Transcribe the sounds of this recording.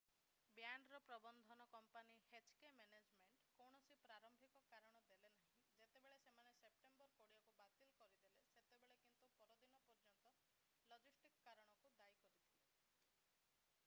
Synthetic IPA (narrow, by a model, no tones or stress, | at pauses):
bjaɳɖɾɔpɾɔbɔnd̪ʱɔnɔkɔmpanihet͡ʃkemened͡ʒmeɳʈkowɽ̃ɔsipɾaɾɔmbʱikɔkaɾɔɽ̃ɔd̪elenaɦĩd͡ʒet̪ebeɭesemanesep̚ʈembɔɾkoɽiɔkubat̪ilkɔɾid̪eleset̪ebeɭekint̪upɔɾɔd̪inɔpɔɾd͡ʒɔnt̪ɔ | lɔd͡ʒisʈikkaɾɔɽ̃ɔkud̪ajkɔɾitt̪ʰile